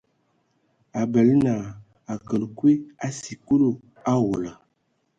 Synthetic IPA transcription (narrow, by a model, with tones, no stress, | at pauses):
a˨bə˨lna˨ | a˨kə˨lkwi˦a˦si˨ku˦lo˨ | a˦wo˨la˨